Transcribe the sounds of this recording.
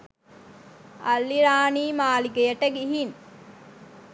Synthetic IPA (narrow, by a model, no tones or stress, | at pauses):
alːiɾaːniːmaːliɡejəʈəɡiɦin